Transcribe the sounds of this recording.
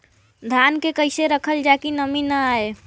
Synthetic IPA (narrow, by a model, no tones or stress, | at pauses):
d̪ʱankekəɪseɾəkʰəld͡ʒakinəminəae